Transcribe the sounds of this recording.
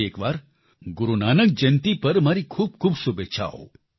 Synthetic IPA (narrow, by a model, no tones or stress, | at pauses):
ekʋaɾ | ɡʊɾunanək̚d͡ʒənt̪ipəɾmaɾikʰub̚kʰuːbsubet͡ʃʰa̰o̰